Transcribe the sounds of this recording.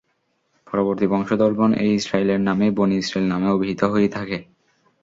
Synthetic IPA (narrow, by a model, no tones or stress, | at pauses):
pɔɾoboɾt̪ibɔŋʃod̪ɔɾbʱonʔḛjisɾaileɾnameboniisɾelnameobiɦit̪oɦojet̪ʰake